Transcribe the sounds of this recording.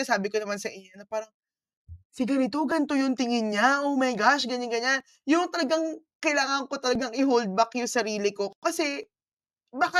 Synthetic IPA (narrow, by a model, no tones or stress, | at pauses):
saːbɪkonɐmansɐʔɪɲːonɐpaːɾɐŋ | sɪɡɐnɪt̪oɡɐnt̪ojʊnt̪ɪŋɪnɲaʔomɐjɡaʃɡɐɲaŋɡɐɲan | jʊŋt̪ɐlɐɡaŋkɐjlaːŋɐŋko̞t̪ɐlɐɡaŋʔɪɦold̪̚bakjʊŋsɐɾiːlɪko̞kɐsɛ | baːka